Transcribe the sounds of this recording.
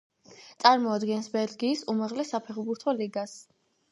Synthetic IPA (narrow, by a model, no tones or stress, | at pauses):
t̪sʼaɾmɔad̪ɡɛnsbɛɾɡiːsumaʁlɛsːapʰɛχbuɾt̪ʰɔliɡas